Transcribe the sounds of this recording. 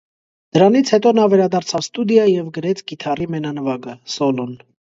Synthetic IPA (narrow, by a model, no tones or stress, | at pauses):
d̪̥əɾɑnit͡sʰhɛt̪ɔnɑvɛɾɑd̪ɑɾt͡sʰɑvst̪ud̪jɑjɛvɡəɾɛt͡sʰɡit̪ʰɑrimɛnɑnəvɑɡəsɔlɔn